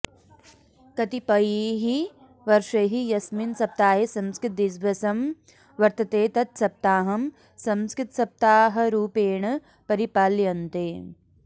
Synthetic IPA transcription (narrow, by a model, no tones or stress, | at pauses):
kɐt̪ipɐjiɦi | ʋɐɾʃɐɦijɐsminsɐp̚t̪aːɦesɐmskɾɪt̪̚d̪isbʱɐsɐm | ʋɐɾt̪ɐt̪eːt̪ɐt̪sɐp̚t̪aːɦɐm | sɐ̃mskɾɪt̪sɐp̚t̪aːɦɐ̆ɾuːpeːɳ̃ɐ | pɐɾipaːljɐnt̪eː